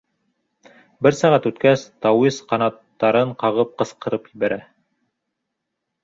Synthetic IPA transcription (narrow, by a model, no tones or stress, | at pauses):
bɘɾsɑʁat̪ʉt̪kæst̪ɑwisqɑnɑt̪ːɑɾɤɴqɑʁɤp̚qɤ̆sqɤ̆ɾɤpjɘ̆βæɾæ